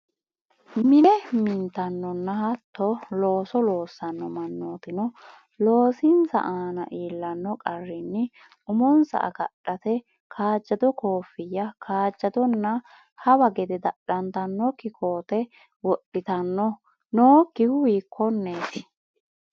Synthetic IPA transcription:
mɪnɛmɪnt̪ɐnːɔnːɐhɐt̪ːɔlo̞ːsɔlo̞ːsːɐnːɔmɐnːoːt̪ɪnɔ | lo̞ːsɪnsɐ̰ʔaːnɐ̰ʔiːlːɐnːɔkʼɐrːɪnːɪ | ʊmɔnsɐ̰ʔɐ̰kɐ̰ɗɐt̪ɛ | kʰaːd͡ʒːɐd̪ɔkoːfːɪjːɐkʰaːd͡ʒːɐd̪ɔnːɐ | hɐbɐɡɛd̪ɛd̪ɐɗɐnt̪ɐnːɔkɪkʰoːt̪ɛ | wɔɗːɪt̪ɐnːɔ | noːkːɪhʊwiːkʰːɔnːeːt̪ɪ

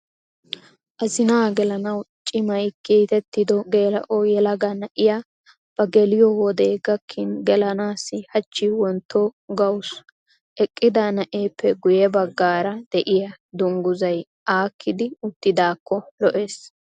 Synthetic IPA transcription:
ʔɐzɪnaːɡɛlɐnɐwt͡ʃʼɪmɐjkiːt̪ɛt̪ːɪd̪ɔɡe̞ːlɐʔɔjɛlɐɡɐnɐʔɪja | b̥ɐɡɛlɪjɔwɔd̪eːɡɐkʰːɪnɡɛlɐnaːsːɪhɐt͡ʃːɪwɔnt̪ʰːɔɡɐwʊs | ʔɛkʼːɪd̪ɐnɐʔeːpʰːɛɡʊjɛbɐɡːaːɾɐd̪̥ɛʔɪjɐ | d̪ʊŋɡʊzɐj | ʔaːkʰːɪd̪ɪʊt̪ːɪd̪aːkʰːɔlɔʔe̞ːs

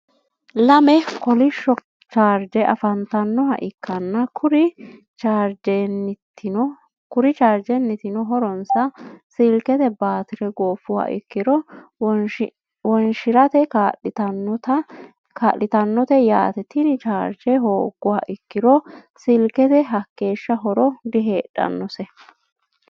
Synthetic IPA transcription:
lɐmɛkɔlɪʃːɔ | t͡ʃaːɾd͡ʒɛʔɐfɐnt̪ɐnːɔhɐ̰ʔɪkːɐnːɐkʰʊɾɪ | t͡ʃaːɾd͡ʒɛnɪtːɪnɔ | kʊɾɪt͡ʃaːɾd͡ʒɛnːɪt̪ɪnɔɦɔɾɔnsɐsɪlkɛt̪ɛbaːt̪ɪɾɛɡoːfʊwa̰ʔɪ̰kːɪd̪ɔ | wɔnʃɪɾɐt̪ɛtɐt̪ | ka̰lːɪt̪ɐnːɔt̪ɛja̰ːt̪ɛt̪ɪnɪt͡ʃaːɾd͡ʒɛɦoːɡːʊwa̰ʔɪkːɪd̪ɔsɪlkɛt̪ɛɦɐkːe̞ːʃːɐɦɔɾɔd̪ɪɦeːᶑɐ̰nːɔsɛ

